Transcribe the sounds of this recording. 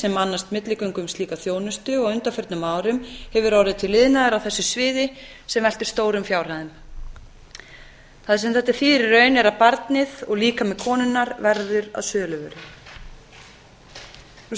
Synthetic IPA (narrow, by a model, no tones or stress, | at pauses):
sɛmanːast̪mɪt̪lɪkœɥŋkʏmst̪liːkaθjoːwnʏst̪ʏɔɣʏnt̪afœɾt̪nʏmːaːwɾʏmhɛvʏɾɔwɾɪðt̪ʰɪlːɪðnaðɪɾawθɛsːʏsvɪːðɪ | sɛmvɛl̥t̪ʏɾ̥st̪oːwɾʏmfjaːwr̥aðʏm | θaðsɛmθɛht̪aɾfiːɾɪrœːɥnɛɾaðpaɾt̪nɪðɔɣliːkamɛðkʰɔːnʏnːaɾvɛɾðʏɾa̰ðsœːlʏvɛɾʏ | nu